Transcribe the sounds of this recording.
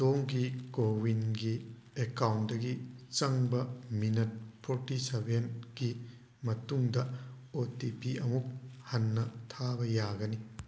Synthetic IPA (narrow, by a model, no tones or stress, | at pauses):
toŋɡikowinɡi | ekawndɐɡit͡ʃɐŋbɐminɐt̚pʰotisebʱenɡ̥i | mɐtuŋdɐ | otipiɐmuk̚hɐnːɐtʰabɐjaɡɐni